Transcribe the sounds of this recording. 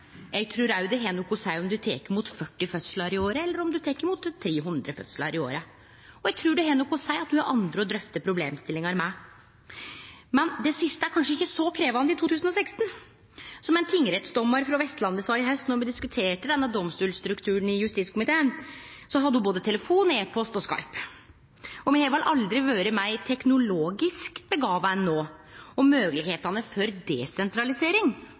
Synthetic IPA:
jæɡ̚t̪ʰɾʉːɾæjʉd̪ɛɦeːnʊkʰːɔsæɪɔmd̪ʉt̪ʰḛːkəɾmuːt̪fœʈːɪfœt̪sələɾɪoːɾəɛlːəɾɔmd̪ʉt̪ʰeːkːəɾmuːt̪ʰːɾeːɦʉnd̪ɾəfœ̰t̪sələ̰ɾʔɪo̰ːɾə | ɔjæɡ̚t̪ʰɾʉːɖɛɦeːnʊkːɔsæɪɑt̪̚d̪ʉɑɾʔɑ̰nd̪ɾəɔd̪ɾœft̪əpʰɾʊblḛːmst̪ɪlːɪŋɑɾmɛ | mɛnd̪ɛsɪst̪əæɾkʰɑnʂəɪçːəsɔkʰɾeːʋɑnɪt̪ʰuːt̪ʰʉːsn̩ɔsɛkst̪n̩ | sɔmɛɪnt̪ʰɪŋːɾɛt̪sd̪ɔmːɑɾfɾɑʋɛst̪lɑnd̪əsɑːɪɦœst̪nɔɾmɛd̪ɪskʉt̪ʰeːʈəd̪ɛnːəd̪ɔmst̪uːlst̪ɾʉkt̪ʰʉːɳ̩ɪjʉst̪iskʰʊmɪt̪ʰeːən | sɔɦɑd̪ːəhʊboːd̪ət̪ʰɛləfuːneːpʰɔst̪ɔskɑ̰ɪp | ɔmæɛʋɪlʔɑld̪ɾɪʋøːɾəmæɪt̪ʰɛknʊloːɡɪskbəɡɑːʋɑnːoːɔmøːɡlɪɡheːt̪ɑnəfɔɾd̪ɛsɛnt̪ɾɑlɪseːɾɪŋ

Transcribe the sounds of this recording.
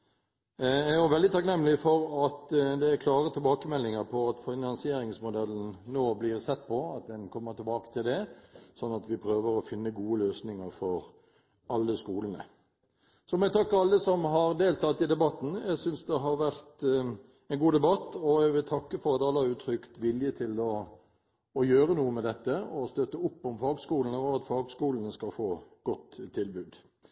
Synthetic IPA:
æjʊʋɛld̪ɪt̪ʰɑknɛmːlɪfɔɾɑt̪d̪ɛæɾkʰlɑːʁət̪ʰɪlbɑːkəmɛlːɪŋəɾpʰɔɑt̪fɪnɑnsɪeːɾɪŋsmʊd̪ɛlːən̩noːblɪʁsɛt̪ːpʰɔɑt̪̚d̪ɛnkʰɔmːəʈ̪ɪlbɑːkə̥t̪ʰɪld̪ɛsɔnːɑt̪ʋɪpʰɾøːʋəɾɔfɪnːəɡuːəløːsnɪŋəɾfɔɾ | ɑlːəskuːlənə̰ | sɔmɛt̪ʰɑkːəɾɑlːəsɔmɦɑɾd̪eːlt̪ɑt̪ːɪd̪ɛbɑt̪ːn̩æɡsʏnsd̪ɛɦɑɾʋæɾt̪ | ɛnɡuːd̪ɛbɑt̪ːɔæɡʋɪlt̪ʰɑkːəfɔɾɑt̪ːɑlːəæʉːt̪ʰɾʏkt̪ʋɪljət̪ʰɪlɔː | jøːɾənuːəmɛd̪ɛt̪ːəɔst̪œt̪ːəʊpːɔmfɑːɡskuːlən̩əɔɑt̪fɑːɡskuːlənəskɑlfoːɡ̥ɔt̪ʰːɪlbʉːd̪

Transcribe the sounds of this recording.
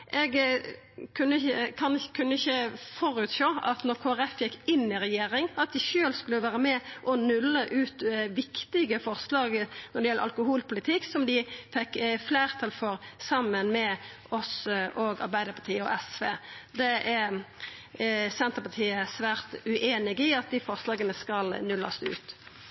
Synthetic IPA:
ʔɛɡ | kʰʉnːəɪçəkʰɑnkʰʉnːəɪçːəfɔɾʉːt̪ʃoːɑt̪nɔɾkʰoːæɾɛfjɛkːɪnːɪɾɛjeːɾɪŋɑt̪̚d̪ɪçøːlskʉlːəʋæːɾəmɛʔɔnʉlːəʔʉːt̪ʋɪkt̪ɪɡəfɔɾslɑːɡnɔɾd̪ɛjɛlːə̰ɾʔɑ̰lkʊhuːlpʊlɪt̪ʰɪkːsɔmd̪ɪfɛkːfleːʁt̪ʰɑlfɔɾsɑmːənmɛ | ɔsʔɔɡɑ̰ɾbæɪd̪əɾpʰɑʈ̪ʰiːəɔ̰ʔɛsʋeːd̪ɛʔæ | sɛnt̪əpɑʈ̪ʰiːəsʋæːɾt̪ʉʔeːnɪɡəəɪɑt̪̚d̪ɪfɔɾslɑːɡənəskɑlnʉlːɑ̰st̪ʉ̰ːt̪

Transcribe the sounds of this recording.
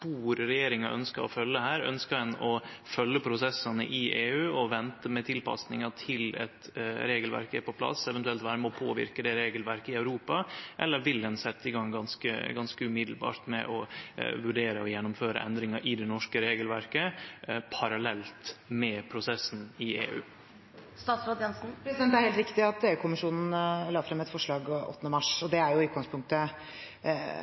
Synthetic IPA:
b̥uːɾɾɛjeːɾɪŋɑʔœ̰nskəɾɔ̰fœlːəhæːɾœ̰nskəɾd̪ɛnɔfœlːəpʰɾʊsɛsɑnə̰ʔɪʔeːʉːɔʋɛnt̪əmɛt̪ʰɪlpɑ̰snɪŋɑt̪ʰɪlɛ̰t̪ɾeːɡəlʋæ̰ɾkæ̰ɾpʰɔpʰlɑ̰sɛʋɛnt̪ʉɛlt̪ʋɑːæɾmɔpʰoːʋɪ̰ɾkəd̪ɛɾeːɡəlʋæɾkəɪɑʉɾuːpɑʔɛlːəɾʋɪld̪ɛnsɛt̪ːəɪɡɑŋɡɑnskə̰ɡɑnskəʉmɪd̪l̩bɑ̰ːɾt̪mɛ̰ʔɔʋʉɖeːɾəɔjɛnːʊmføːɾə̰ʔɛ̰nd̪ɾɪŋəɾʔɪd̪ɛnɔʂkəɾeːɡəlʋæɾkəpʰɑɾɑlɛlt̪mɛpʰɾʊsɛsn̩ɪḛːʉ̰ː | st̪ɑːt̪sɾɑːd̪jɛnsn̩pɾɛsɪd̪ɛnt̪æɾhelt̪ɾɪkt̪ɪɑt̪eːʉːkʰʊmɪʂuːnn̩lɑːfɾɛmɛt̪fɔʂɭɑːɡʔɔ̰t̪ːnəmɑʂɔd̪ɛæɾjʊʉt̪̚ɡɑŋspʰʊŋkt̪ə

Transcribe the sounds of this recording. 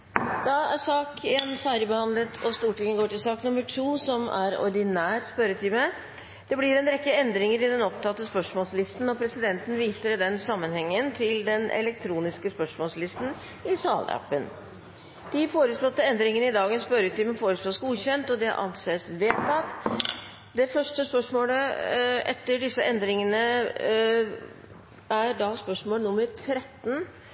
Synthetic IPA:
d̪̥ɑæʂɑːkeːnfæɾjəbəhɑnlət̪ʰɔst̪uːʈɪŋːəɡoːʈɪlsɑːknʊmːəʈʰuːsɔmæ̰ɾɔ̰ɾɖ̪ɪnæːɾspœɾət̪ʰiːmə | d̪̥ɛblɪɾɛnɾɛkːəɛnd̪ɾɪŋəɾɪd̪ɛnɔp̚t̪ʰɑt̪ːəspœʂmɔːlslɪst̪n̩ɔpʰɾɛsɪd̪ɛnt̪n̩ʋiːsəɾd̪ɛnsɑmːənhɛŋːənt̪ʰɪld̪ɛnʔɛ̰lɛkt̪ʰɾuːnɪskəspœʂmɔːlslɪst̪n̩ | ɪsɑ̰ːlæ̰pːən | d̪̥ɪfoːɾəslɔt̪ːəɛnd̪ɾɪŋənəɪd̪ɑːɡənspœɾət̪ʰɪmɛfoːɾəslɔsɡuːɕɛnt̪ɔd̪ɛʔɑ̰nseːsʋeːt̪ɑt̪ | d̪ɛfœʂʈəspœʂmoːləʔɛ̰t̪ːəɖɪsːəʔɛnd̪ɾɪŋənə | æɖɑspœʂmoːlnʊmːəɾt̪ʰɾɛt̪ːn

